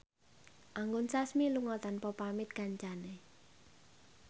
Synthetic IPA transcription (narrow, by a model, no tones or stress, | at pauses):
ʔaŋɡʊnsasmiluŋɔt̪anpɔpamɪt̪̚ɡ̥aɲt͡ʃane